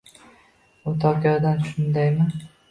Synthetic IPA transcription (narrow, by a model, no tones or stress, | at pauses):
ʊt̪ʰɒkʰʲɒɾd̪anʃʊnd̪ajmɪ